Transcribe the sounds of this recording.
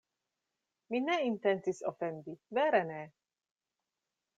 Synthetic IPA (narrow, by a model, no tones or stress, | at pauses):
mineint̪ent͡siso̰fendiveɾene